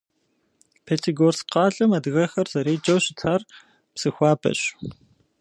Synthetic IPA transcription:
pʰeːtʰiɡoːrsqɑːɮʼɨmɐdɣɐxɐrz̥ɐɾeːjd͡ʒʼɐwɕɪtʰaːr | psɨxʷɑːbɐ̰ɕ

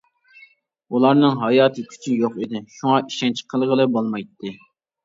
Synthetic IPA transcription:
ulˠɑɾnɨŋɦɑjɑːt̪ʰɨkʲʰy̥t͡ʃʰynjoqid̪ɪʃuŋɑʔiʃɛnt͡ʃʰqʰəlˠʁəlˠɨbolˠmɑjt̪ʰːɨ

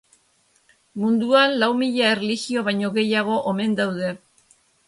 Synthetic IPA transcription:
mund̪uanlawmiʎae̞reliɣio̞β̞ajɲo̞ɣe̞jaɣ̞o̞ʔome̞nd̪awðe̞

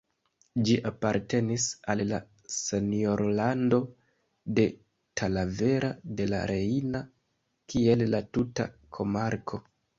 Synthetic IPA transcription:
d͡ʒiʔapaɾte̞nisalla | se̞nio̞ɾlando̞ | de̞ | tʰalave̞ɾade̞la̰ɾeina | kie̞llatuta̰kʰo̞maɾkʰo̞

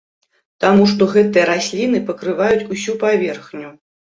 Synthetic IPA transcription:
t̪amuʂt̪ɔɣɛt̪ɨjɐɾasʲlʲinɨpɐkɾɨvajut͡sʲusʲupavʲɛrxnʲu

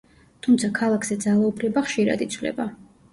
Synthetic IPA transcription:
t̪ʰumt̪sʰakʰalˠakʰz̥ɛd̪zalˠaupʰɾɛbaχʃiɾa̰d̪it̪sʰvlɛ̰ba

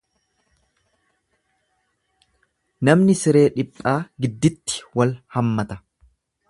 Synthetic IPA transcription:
nɐmnɪsɪɾe̞ːᶑɪpʼːaːɡɪd̪ːɪt̪ːɪ̥wɐlhɐmːɐt̪ɐ̥

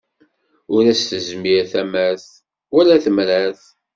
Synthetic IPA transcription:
ʊɾæsθəzmiɾθæmæθ | wælæθəmɾæθ

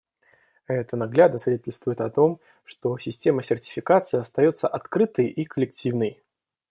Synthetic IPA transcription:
ɛt̪ənɐɡlʲad̪nəsvʲɪdʲetʲɪlʲst̪vʊjɪt̪ɐt̪o̞m | ʂt̪o̞sʲɪsʲtʲe̞məsʲɪrtʲɪ̥fʲɪkat̪sɨɪɐst̪ɐjo̞t̪səʔɐt̪kɾɨt̪əjʔikəlʲɪk̚tʲʰivnəj

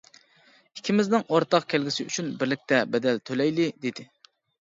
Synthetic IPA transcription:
ikʲʰimɪznɪŋoɾt̪ɑqkʲʰælɡʲisɪy̰t͡ʃʰynbɪɾlɪk̚ʲt̪ʰɛbɛd̪ɛlt̪ʰølɛjlɪd̪ed̪ɪ

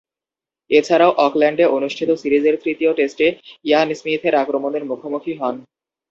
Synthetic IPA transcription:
et͡ɕʰaɾaoʔɔklɛɳɖeonuʃʈʰit̪osiɾid͡ʑeɾt̪ɾit̪ioʈesʈejansmit̪ʰeɾakɾomod̪eɾmukʰomukʰiɦɔn

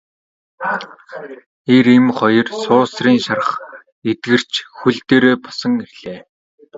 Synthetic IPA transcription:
eɾemχɔjɞ̆rsʊːsriːŋʃarə̆χ | et̪ɡɘ̆r̥t͡ɕxuɮt̪eːɾeːpɔ̥sɞ̆ŋiɮ̥eː

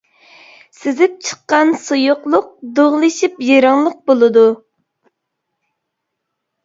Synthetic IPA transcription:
sɪzɪp̚t͡ʃʰə̥qɑnsojʊqlˠʊq̚d̪oʁlˠɨʃipjiɾɑŋlˠəq̚bolˠɨd̪u

